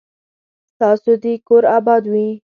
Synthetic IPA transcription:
t̪ɑsod̪ikoɾɑbɑd̪wi

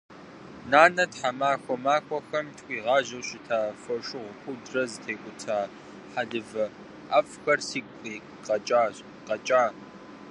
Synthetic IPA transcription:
naːnɐtħamaːxʷɔmaːkʷɔxɐmtʰxʷʼiːʁɑːʑɐwɕɪtʰaːfɐʂɨʁʷʊxʷʊdrɐzɨtʰeːkʷʼʊtʰaː | ħaɮɨvɐ | afxɐrsiːkʷʼiː | qʼɐt͡ʃʼaːɕ | qʼɐt͡ʃʼaː

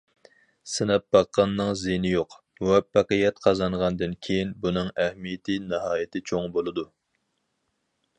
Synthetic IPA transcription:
sɪnɛp̚bɑqːɑnːɨŋzenɪjoq | wɛpːæqəjɛt̪̚qʰɑzɑɴʁɑnd̪ɨnkʲʰejinbunɨŋɛhmijɪt̪ʰɪnɨɦɑːjit̪ʰɪt͡ʃʰoŋbolˠɨd̪u

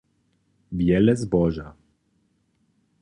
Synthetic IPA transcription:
bjɛlɛzbɔʒa

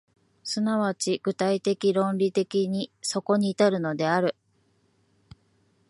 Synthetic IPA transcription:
sɨnaβat͡ɕiɡ̥ɯ̟t̪ait̪e̞kʲiɾõ̞nɾʲit̪e̞kʲiɲ̟iso̞ko̞ɲ̟iːt̪aɾɯ̟no̞d̪e̞aɾɯ̟

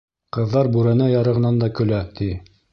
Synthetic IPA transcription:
qɤ̆ðːɑɾbuɾænæjɑɾɤ̆ʁɤ̆nɑnd̪ɑkɵ̆læt̪i

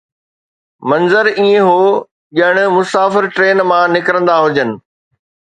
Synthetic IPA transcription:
mɐ̃nzəɾiẽɦoː | ʄɐɪɽ̃̆mʊsaːfɪɾʈɾeːnmãnɪkɾə̃nd̪aɦʊd͡ʑənɪ̆

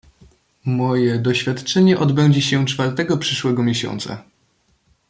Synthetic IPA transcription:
mɔjɛd̪ɔɕfʲjat̪t͡ʂɛɲɛʔɔd̪bɛɲd͡ʑɛɕɛt͡ʂfaɾt̪ɛɡɔpʂɘʂwɛɡɔmʲjeɕɔ̰nt̪sa̰

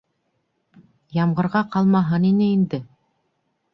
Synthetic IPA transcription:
jɑmʁɤ̆ɾʁɑqɑlˠmɑɦɤninɘind̪ɘ

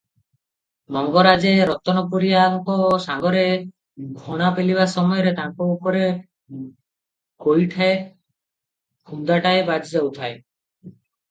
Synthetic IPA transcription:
mɔŋɡɔɾad͡ʒeɾɔt̪ːɔnɔpuɾijaŋkɔsaŋɡɔɾe | ɡʱɔɽ̃apeliβasɔmɔjɔɾet̪ãkoupɔɾe | kojʈʰae | kʰund̪aʈaebad͡ʒid͡ʒawt̪ʰae

